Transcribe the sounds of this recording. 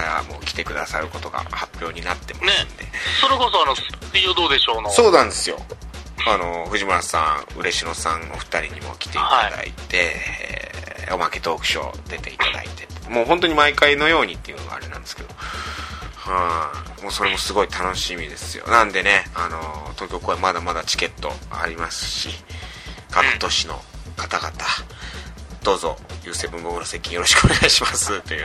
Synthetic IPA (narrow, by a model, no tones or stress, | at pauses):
ɾa̰mo̞ːkʲi̥t̪e̞kɯ̟d̪asaɾɯ̟ko̞t̪o̞ɡa̰hapʲjo̞ːɲ̟inat̪ːe̞maseɨɨ̃nd̪e̞so̞ɾekosoanosʲiod̪oːd̪eɕoːnoso̞ːnãnd̪e̞sɨjo̞̰ano̞ɸɯ̟ʑimɯɾasã̰ɯ̟ɾe̞ɕiɾo̞sãŋo̰ɸɯ̥t̪aɾʲiɲ̟imo̞̰kʲi̥t̪e̞iht̪aid̪a̰ḭt̪e̞ḛo̞make̞t̪o̞ːkɯ̟̥ɕo̞̰d̪̥e̞t̪e̞it̪ad̪a̰ḭt̪e̞t̪ːmoːɦont̪o̞ɲ̟imaikaino̞jo̞ːɲ̟it̪ːe̞jɯ̟noɡa̰ːɾe̞nãnd̪eske̞d̪o̞̰ | hamoːso̞ɾe̞mo̞sɨɡo̞it̪ano̞ɕimʲid̪e̞sɨjo̞̰nãnd̪e̞ne̞anot̪o̞ːkʲo̞ːko̞ːemad̪amad̪at͡ɕi̥ke̞t̪ːo̞̰a̰ɾʲimasɨ̥ɕḭ | kʰakɯ̥t̪o̞ɕino̞̰kat̪aɡat̪a | d̪̥o̞ːzo̞̰jɯ̟ːsebɯ̟mbo̞kɯ̟nose̞kʲĩjoɾo̞ɕi̥kɯoneɡaiɕimasɨt̪ːojɯ̟ː